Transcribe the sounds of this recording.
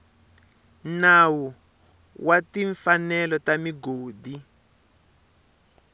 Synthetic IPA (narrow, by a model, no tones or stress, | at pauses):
nawu | watiɱfanɛlɔtamiɡoːdi